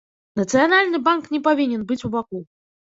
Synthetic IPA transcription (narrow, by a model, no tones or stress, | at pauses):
nɐt̪sɨjanalʲnɨbanknʲɛpavʲinʲɛnbɨt͡sʲubaku